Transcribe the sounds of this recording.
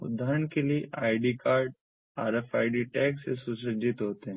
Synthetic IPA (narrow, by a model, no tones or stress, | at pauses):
ʊ̰d̪ʱːaːɾəɳkelieʔaːɪɖikaːɾɖ | aːɾefaːɪɖiʈɛːksesʊsəd͡ʒɪt̪ɦoːt̪eɦɛ̃